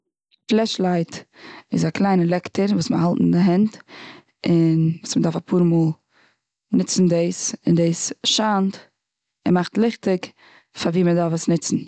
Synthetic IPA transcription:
flˠɛʃlˠaɪtɪzaklˠaɪnəlˠɛktəɾvuːsməhalˠtn̩dɪɦɛnt | ɪnvuːsmədaɾfapʰuːɾmuːlˠ | nɪt͡sn̩deɪsɪndeɪsʃant | ɪmaχtlˠɪχtɪk | faɾviːmədaɾfəsnɪt͡sn̩

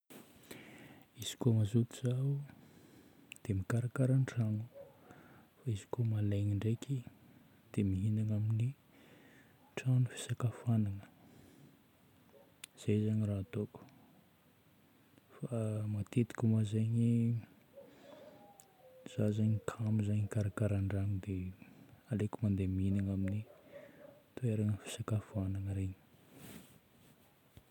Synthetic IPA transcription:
iz̥i̥komazut̪izau | d̪̥emikaɾakaɾənʈ͡ʂanu | faizi̥komalaɲiɳɖ͡ʐekʰi | d̪̥emiɦinanamini | ʈ͡ʂanufi̥sakafananə̥ | z̥ezaɲiraːt̪oku̥ | famat̪et̪i̥kʲumazaɲi | z̥azaɲkʰamizaɲikaɾakaɾaɳɖ͡ʐanid̪e | alekumand̪emiinaŋamini | t̪ueɾaŋəfi̥sakafanaŋəɾeɲi̥

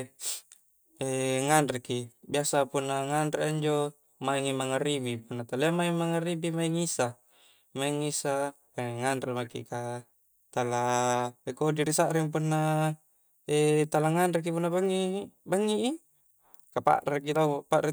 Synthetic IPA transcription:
eŋanɾekibiasapunːaŋanɾeaɲd͡ʒo | maiŋimaŋaɾibipunːat̪aleamaimaŋaɾibimaiŋisa | maiŋːisa | eŋanɾemakḭka | t̪alaekodiɾisaʔɾiŋp̬unːa | et̪alaŋanɾek̬ipunːabaŋːibaŋːiʔi | kapa̰ʔɾekilauapaʔɾe

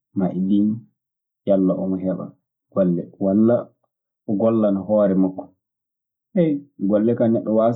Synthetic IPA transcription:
maʔidin | jalːaʔɔmɔɦɛɓa̰ | ɡ̥ɔlːɛwalːa | ʔɔɡɔlːanaɦɔːɾɛmakːɔ̥ | hɛjɡɔlːɛkanɛɗːɔwa

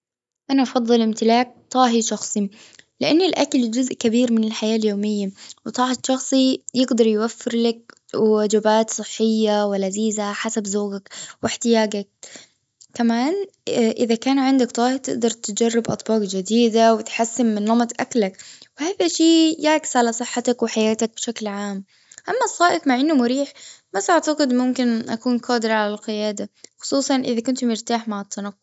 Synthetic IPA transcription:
ʔanaʔɑfɑðˤːɨlʔɪmt̪ɪlaːk̚t̪ˤɑːɦiʃɑxsˤi | lɪʔanːɪlʔakald͡ʒʊzʔkabiːɾmɪnɪlħajaːljoːmɪjːawɪt̪ˤɑːhɪʃɑxsˤijɪɡd̪ɑɾˤjwafːɪɾlak̚ | wɪwad͡ʒabaːt̪sˤɨħːɪjːawalaziːzaħasabzuːɡakwɪħt̪ɪjaːɡak̚ː | amaːnʔɪðakaːnʕɪnd̪akt̪ˤɑːhɪɾt̪ɪ̰ʔd̪ɑɾˤt̪ɪd͡ʒarˤːɪbʔɑ̰t̪ˤbɑːqd͡ʒad̪iːd̪awɪt̪ħasːɪmmɪnːɑmɑt̪ˤʔaklakwɪhaːðaʃiːjaʕkɪ̥sʕalasˤɨħːɑt̪akwɪħajaːt̪ak̚bɪʃaklʕaːm | ʔamːasˤːɑːʔɪqmaʕʔɪnːʊmʊɾiːħbasʔaʕt̪aqɨd̪mʊmkɪnʔakuːnqɑːd̪ɪɾʕalalqɪjaːd̪axʊ̥sˤuːsˤɑnʔɪðakʊnt̪ʊmɪɾt̪aːħmaʕɪt̪ːanɑqːʊ

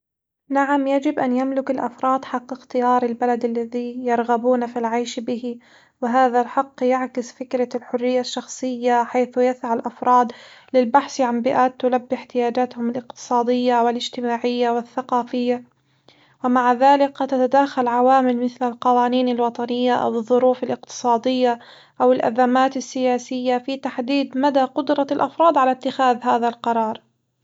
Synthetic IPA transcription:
naʕamjad͡ʒɪbʔanjamlʊkalʔafɾˤɑːd̪ħɑqːɪxt̪ɪjɑːɾˤɪlbalad̪alːaðijɑɾˤɣabuːnafilʕajʃbɪhɪ | wɪɦaːðalħɑqːjaʕkɪsfɪkɾalħʊrːɪjːaʃːɑxsˤɨjːaħajθʊjasʕalʔafɾˤɑːd̪lɪlbaħsʕanbɪʔaːt̪ːʊlabːɪħt̪ɪjaːd͡ʒaːt̪hʊmɪlʔɪq̚t̪ɨ̥sˤɑːd̪ɪjːawɪlɪd͡ʒt̪ɪmaːʕɪjːawɪθːaqɑːfɪjːa | wɪmaʕaðaːlɪkt̪ːat̪ad̪aːxalʕawaːmɪlmɪθlalqɑwaːniːnalwɑt̪ˤɑnɪjːaʔa̰wɨðˤːʊɾuːfalʔɪqt̪ɨ̥sˤɑːd̪ɪjːa | ʔawɪlʔa̰zamaːt̪ɪsːɪjaːsɪjːafit̪aħd̪iːd̪mad̪aqʊd̪ɾˤɑlʔɑfɾˤɑːd̪ˤʕalat̪ːɪxaːðɦaːðalqɑɾˤɑːɾˤ

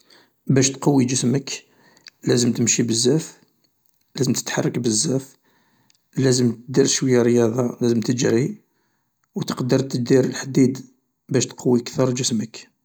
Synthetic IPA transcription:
bæʃt̪qɑwːid͡ʒəsmək | læzəmt̪əmʃibəzːæf | læzəmt̪ə̥t̪ħɑrˤːɑkbəzːæf | læzəmt̪əd̪iɾʃwəjːærəjɑd̪ˤɑlæzəmt̪əd͡ʒɾi | wt̪ə̥qd̪əɾˤt̪əd̪iɾəlħd̪id̪ | bæʃt̪qɑwːikt̪ɑɾˤd͡ʒəsmək

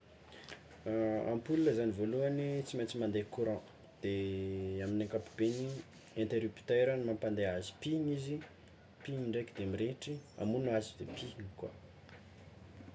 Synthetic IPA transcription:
a̰mpululəzanivoluanit͡simat͡simand̪ekuɾã | d̪̥eaminãŋkapu̥b̥eni | ɛ̃nt̪eɾupt̪eɾənimampand̪eazi̥piɲizi | piɲiɳɖ͡ʐajkd̪eamiɾeʈ͡ʂia̰munuazid̪epʰiɲikwa̰

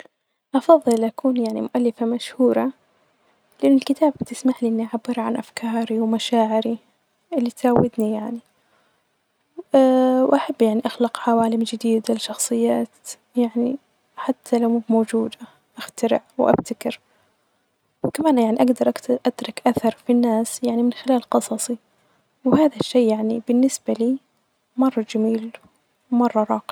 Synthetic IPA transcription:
ʔɑfɑðˤːɨlʔakuːnjaʕnimʊʔalːɪfamaʃhuːɾˤɑ | lɪʔɪnːɪlkɪt̪ʰaːbb̚t̪ɪsmaħliʔɪnːiʔaʕabːɪɾʕa̰nʔafkʰɑːɾiwmaʃaːʕɪɾi | ʔɪlːit̪awːɪd̪nijaʕni | wʔaħabːjaʕniʔaxlɑqʕawaːlɪmd͡ʒɪd̪iːd̪alʃɑxsˤɨjːaːt̪ | jaʕni | ħat̪ʰːalawmuːbmoːd͡ʒuːd̪a | ʔaxt̪aɾɪʕwʔa̰bt̪akɪɾ | wkamaːnjaʕniʔaɡd̪ɑɾˤʔaʔat̪ɾˤɑkʔaθɑɾˤfinːaːsjaʕnimɪnxɪlaːlqɨsˤɑsˤi | whaːðaʃːeːjaʕnibɪnːɪsbaliː | mɑrˤːɑd͡ʒamiːl | mɑrˤːɑɾˤɑːqɪ

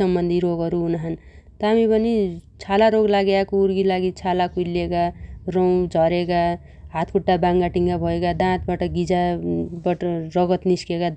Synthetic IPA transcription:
ʌmbʌnd̪ʱiɾoɡʌɾuunaɦan | t̪ʌɦamipʌnit͡sʰalaɾoɡlaɡjakouɾɡilaɡit͡sʰalakulekarow̃d͡zʱʌɾeka | ɦat̪ʰkʰuʈːabaŋɡaʈiŋɡabʱʌekad̪ãt̪baʈʌɡid͡zabʌʈʌrʌɡʌt̪niskekad̪

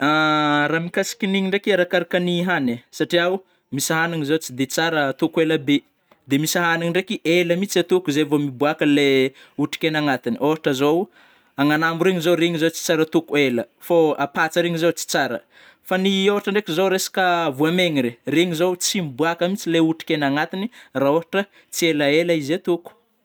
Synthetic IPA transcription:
aramikasi̥kʲiniɲiɳɖ͡ʐekiaɾakaɾakəniɦanesaʈ͡ʂiaw | misaɦaniŋizowt͡sid̪et͡saɾət̪ukueləbe | d̪emisaɦaniŋiɳɖ͡ʐekiʔeləmit͡siat̪ukuzevomibuakəle | uʈ͡ʂi̥kʲenaŋat̪inioɦaʈ͡ʂəzow | aŋanambuɾeŋizoɾeŋizowt͡si̥t͡saɾət̪ukuelə | foapat͡səɾeŋizot͡si̥t͡saɾə̰ | faniowaʈ͡ʂəɳɖ͡ʐekizowɾesḁkəvuameŋiɾereŋizowt͡simibuakəmit͡sileuʈ͡ʂi̥kenaŋat̪iniraoɦaʈ͡ʂə | t͡sieləelaizet̪uku̥

